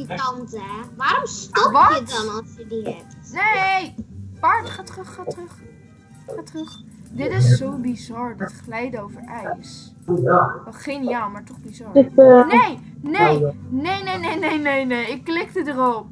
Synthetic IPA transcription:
tɑntəʋaːɾɔmstɔʋɑəɔnɑsjədiɛp̚nejpaɹtχaːtrəχatrəχ | χatrəχ | dɪtɪssowbizɑɹdɑtχlɛjdowvəɹɛjs | ɛlˠχejnijaːlˠmaːɹtɔχbizɑɹnej | nejnejnejnejnejnejnejɪkːlɪk̚tədərɔp̚

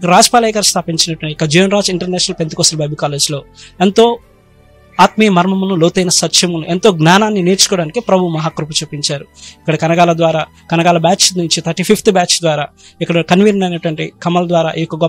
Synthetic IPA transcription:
ɾaːd͡ʒpaːlɐjkɐɾst̪ʰaːpiɲt͡ʃinɐʈʋɐɳikːɐd͡ʒijonɾaːd͡ʒiɳʈɐɾnɛːʃɐnɐlpent̪ukɔːsɐlbɐjbikaːle̞ːd͡ʒlo̞ːent̪o̞ː | aːt̪miːmɐɾmɐmunuloːwt̪ɐjnɐsɐt̪ʃɐmunuʔent̪o̞ːɡnaːnaːnːineːɾt͡ʃu̥kɔːɽaːnikipɾɐbʱumɐɦaːkɾuput͡ʃuːpiɲt͡ʃaːɾuikːɐɽɐkɐnɐɡaːlɐd̪ʋaːɾaː | kɐnɐɡaːlɐbaːt͡ʃnuɲt͡ʃit̪ʰɐɾʈiːpʰipʰt̪baːt͡ʃd̪ʋaːɾaː | ikːɐɽɐkɐnʋinɐnɐjnɐʈʋɐɳʈikɐmɐlɐd̪ʋaːɾaːʔijokːɐɡɔ

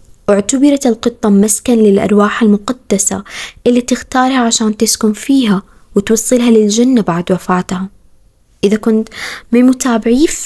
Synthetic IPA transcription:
ʔʊʕt̪abɪɾˤɑlqɨt̪ˤːɑmaskanlɪlʔɑ̰ɾˤwaːħalmʊqad̪̥ːasa̰ʔɪlːit̪ɪxt̪ɑːɾˤhaʕaʃaːnt̪ɪskʊmfiːɦa | wɪt̪wɑsˤːɨlɦalɪld͡ʒanːabaʕd̪wafaːt̪ha | ʔɪðakʊnt̪mɪmʊt̪aːbɪʕiːf

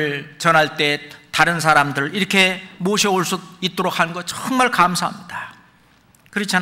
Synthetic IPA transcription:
ɭt͡ɕʌnɦaɭt͈e̞taɾɯnsʰaɾamdɯɾɯɭiɾʌkʰe̞moɕʰʌoɭs͈uit̚t͈oɾok̚hannɡʌt͡ɕʌŋmaɭkamsʰaɦa̰mɲida | kɯɾʌt͡ɕʰa

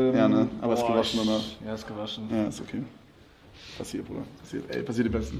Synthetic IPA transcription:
jaːnəʔaːbɐɛsɡəvaʃn̩danaːjasɡ̥əvaʃn̩jaːɪstokʰeː | pʰasiːɐto̰ːdɐ̰ppʰḁsḭːɐtʔɛ̰ɪpʰasiːɐtdimbɛstn̩

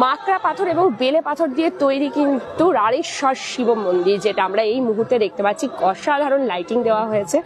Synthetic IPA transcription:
makɾapat̪ʰoɾeboŋbelepat̪ʰoɾd̪iet̪ojɾikint̪uɾaɽiʃɔɾʃibomːond̪iɾd͡ʑeʈamɾaejmuɦuɾt̪ːed̪ek̚t̪epatːt͡ɕʰikɔʃad̪ʱaɾonlajʈiŋd̪eoaɦojet͡ɕʰe

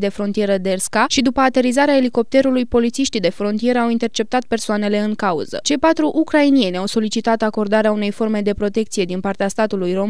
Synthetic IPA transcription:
d̪e̞fɾo̞nt̪ije̞ɾəd̪e̞rskaʃid̪upəat̪e̞ɾizaɾeae̞liko̞p̚t̪e̞ɾulujpo̞lit̪siʃt̪id̪e̞fɾo̞nt̪ije̞ɾəawint̪ert͡ʃe̞p̚t̪at̪̚pe̞rsoane̞le̞ɨŋkaṵz̥ə̰t͡ʃe̞jpat̪ɾuʔukɾainie̞nʲawso̞lit͡ʃit̪at̪ako̞rd̪aɾeaune̞jfo̞rme̞d̪e̞pɾo̞t̪e̞k̚t̪sije̞d̪inpart̪east̪at̪ulujro̞m

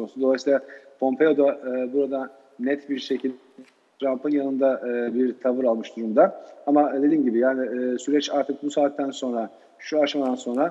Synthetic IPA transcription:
osud̪o̞lˠasiːlˠapʰo̞mpʰe̞jo̞d̪aɯːbuɾad̪a | nɛt̪biɾʃe̞cʰilʲd̪ | t̪ʰɾampɯnjanɯnd̪aʔɯbiɾt̪ʰavɯɾalˠmɯʃd̪uɾumd̪aamad̪e̞d̪iːmɟibijaːnɪːsyɾɛt͡ʃaɾt̪ʰɯk̚busaːt̪ːænso̞nɾa | ʃuaʃmad̪anso̞nɾa

